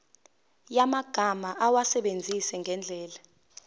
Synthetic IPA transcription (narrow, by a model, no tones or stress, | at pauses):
jamaɡ̥ʱamaʔawasɛɓend͡zʱisɛŋʱɛnd͡ɮʱɛːla